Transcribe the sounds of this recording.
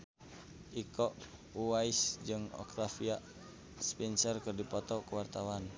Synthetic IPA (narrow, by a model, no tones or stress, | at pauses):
ʔikɔʔuwaisd͡ʒɨŋɔ̰kɾafiaʔ | spɛnsɔrkɨrdipɔt̪ɔkuwart̪awan